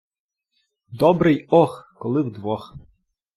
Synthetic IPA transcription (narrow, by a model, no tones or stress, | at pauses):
d̪ɔbɾɨjɔxkɔlˠɪwd̪ʋɔx